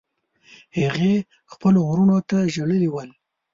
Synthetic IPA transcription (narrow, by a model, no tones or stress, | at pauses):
haɣe | xpəlowɾunot̪aʒəɽəliwəl